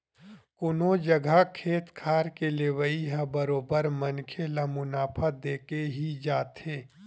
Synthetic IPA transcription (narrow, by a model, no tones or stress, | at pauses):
kʊnod͡ʒɐɡʱakʰeːt̪kʰaːɾkeleːʋəiɦãbəɾoːbəɾmɐnkʰelamʊnaːpʰad̪eːkeɦid͡ʒaːt̪eː